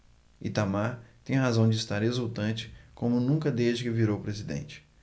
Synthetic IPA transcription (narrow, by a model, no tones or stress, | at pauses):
ḭt̪amaɾt̪ẽj̃ɦazɐ̃w̃d͡ʒɪist̪aɾezuwt̪ɐ̃t͡ʃɪ̥kõmʊnũŋkɐd̪eʒd͡ʒɪkɪviɾowpɾezid̪ḛ̃nt͡ʃɪ̥